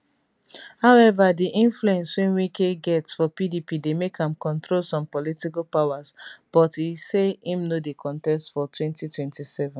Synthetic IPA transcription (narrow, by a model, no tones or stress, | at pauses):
haʊɛvadiʔĩnfluɛ̃nswɛ̃nwikeɡɛtsfɔpidipidemekãmkɔ̃ntɹolsɔ̃mpɔlitikalpawasb̥ɔtiseĩmnodekʰɔ̃ntɛstfɔtʰwɛ̃ntitwɛ̃ntisɛvɛ̃n